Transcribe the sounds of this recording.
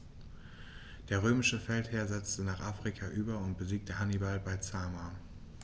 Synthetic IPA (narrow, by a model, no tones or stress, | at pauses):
d̥eːɐʁ̞øːmɪʃəfɛltheːɐzɛt͡stənaːχʔaːfʁ̥ikʰaʔyːbɐʊnt̚b̥əziːk̚təhanibalbaɪt͡saːma